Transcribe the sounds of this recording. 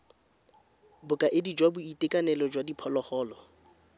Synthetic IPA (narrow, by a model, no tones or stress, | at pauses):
bʊkʼaʔɪdid͡ʒwabʊitʼɪkʼanɛlɔd͡ʒwadipʰɔlɔχɔːlɔ